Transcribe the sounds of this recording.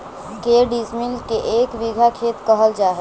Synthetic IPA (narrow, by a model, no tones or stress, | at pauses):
keɖismilkeʔeːkʋiɡʱakʰeːt̪kəɦəld͡ʒaːɦe